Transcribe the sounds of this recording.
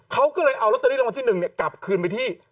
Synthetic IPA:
kʰa˦˥wkɔː˥˩lɤː˧jʔa˧wlt̪̚ːa˧˦˥wa˧t̪iː˥˩nɯ˨˩ŋni˥˩ɐka˨˩p̚kʰɯː˧np̬a˧jt̪ʰiː˥˩

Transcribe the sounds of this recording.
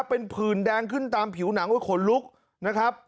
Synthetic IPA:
pe˧npʰɯː˨˩ndɛː˧ŋkʰɯ˥˩nt̪aː˧mpʰi˨˩˦wna˩˦ŋdu˥˩jkʰo˧nlu˦˥k̚ | na˦˥kʰɾa˦˥p̚

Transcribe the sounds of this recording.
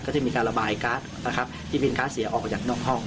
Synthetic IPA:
kɔː˥˩t͡ɕa˧˥˩miː˧kaː˧nɾa˧baː˧˩jkaː˦˥t̪̚na˦˧˩kʰa˦˥p̚t̪ʰiː˥˩pʰe˧nkaː˦˥t̪̚si˨˩˦ɐʔɔː˨˩k̚t͡ɕaː˨˩k̚nɔː˥˩ŋhɔ˥˩ŋ

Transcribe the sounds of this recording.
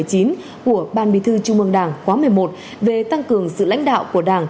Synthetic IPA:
əjt͡ɕi˨˦n | ku˧˩əɓaː˧˩nɓḭ˧˨t̪ʰɨ˧t͡ɕʊ˧ŋ͡mʔɨ˧əŋɗaː˧˩ŋxwaː˨˦mɨ˨˩əjmo˨˩t̚ | ve˨˩t̪a˧ŋkɨ˨˩əŋsɨ̰˧˨la̰˧˥jŋ̟ɗa̰ː˧˨wku˧˩əɗaː˧˩ŋ

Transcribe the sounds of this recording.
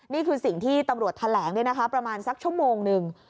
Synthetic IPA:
niː˥˩kʰɯː˧si˨˩ŋt̪ʰiː˥˩t̪a˧mɾu˨˩ət̪ʰːa˧lɛː˩˦ŋdu˥˩jna˦kʰa˦˥pɾa˧maː˧nsa˦˥k̚t͡ɕʰu˥˩əmoː˧ŋnɯ˨˧ŋ

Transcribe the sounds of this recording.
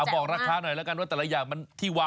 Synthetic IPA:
bɔː˨˩k̚ɾaː˦˧˥kʰaː˧˥nɔ˨˩jlɛː˦˥wka˧nwaː˥˩t̪ɛː˨˩lɛ˦˥jaː˨˩ŋma˧nt̪ʰiː˥˩waː˦

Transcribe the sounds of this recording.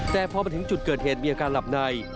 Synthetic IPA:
t̪ɛː˨˩pʰɔː˧ma˧nt̪ʰɯ˩˦ŋt͡ɕu˨˩t̪̚kəː˨˩t̪̚heː˨˩t̪̚miː˧ʔaː˧kaː˧nla˨˩p̚na˧j

